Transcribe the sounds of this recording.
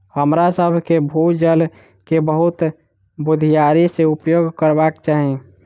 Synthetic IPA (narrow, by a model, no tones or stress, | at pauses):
həmɾasəbʱkebʱud͡ʒəl | kebəɦut̪ | bud̪ʱijaɾiseupjoɡkəɾbakt͡ʃaːɦi